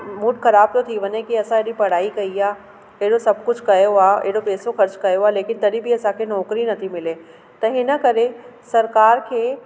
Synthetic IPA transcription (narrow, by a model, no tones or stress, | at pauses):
mʊʈxɐɾaːb̚t̪ot̪ʰiʋɐɲekiɐsãeɽipɐɽ̤aːikɐiaː | eɦɽosɐbkʊd͡ʑʱkɐjoaːḛɦɽopeːsoxɐɾt͡ɕkɐjoaːleːkɪnt̪ɐɗibʱiɐsãkʰenɔːkɾinɐt̪ʰimɪle | t̪ɐɦɪnə̆kɐɾesɐɾkaːɾkʰeː